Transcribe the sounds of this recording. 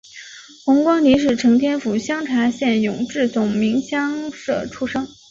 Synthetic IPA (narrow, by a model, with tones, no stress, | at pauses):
xʊ˧˥ŋkwɑ˥ŋni˧˥ʂ̬ɻ̩˥˩ʈ͡ʂʰɤ˧˥ŋt̪ʰjɛ˥nfu˨˩ɕjɑ˥ŋʈ͡ʂʰa˧˥ɕjɛ˥˩njʊ˨˩ŋʈ͡ʂɻ̩˥˩t͡sʊ˨˩ŋmi˧˥ŋɕjɑ˥ŋʂɤ˥˩ʈ͡ʂʰu˥ʂɤ˥ŋ